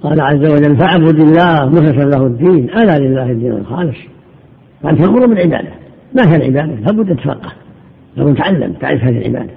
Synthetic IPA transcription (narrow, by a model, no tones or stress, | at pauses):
qɑːlaʕazːawad͡ʒalːfaʕabud̪ɪlːaːhmʊhɪsanlahud̪ːiːnʔalaːlɪlːaːhad̪ːiːna̰lxɑ̰ːlɪsˤ | faʔant̪maʔmuɾumbɪlʕɪba̰ːd̪a | maːhijalʕɪ̰baːd̪alaːbʊd̪ːt̪ːfɑ̰qːɑ̥h | labʊnt̪ʕalːa̰mt̪a̰ʕlɪfhaːðihḭlʕɪ̰ba̰ːd̪æ̥